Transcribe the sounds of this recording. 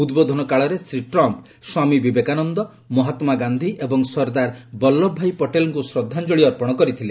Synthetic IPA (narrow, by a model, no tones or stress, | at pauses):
ud̪bod̪ʱɔnɔkaɭɔɾesɾiʈɾɔmp | swamibibekanɔnd̪ɔ | mɔɦat̪maɡand̪ʱiʔebɔŋsɔɾd̪aɾbɔlːɔbʱːajpɔʈelɔŋkusɾɔd̪ʱːand͡ʒɔɭiɔɾpɔɽ̃ɔkɔɾit̪ʰile